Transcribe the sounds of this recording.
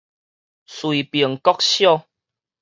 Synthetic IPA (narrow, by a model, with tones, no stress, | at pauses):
swi˨pə˨˩əŋkɔ˦k̚ɕjɔ˥˧˨